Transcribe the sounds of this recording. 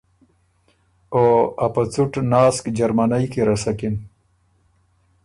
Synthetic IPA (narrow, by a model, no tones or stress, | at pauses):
oːapat͡suʈnɑːskd͡ʒaɾmanajkeɾasakin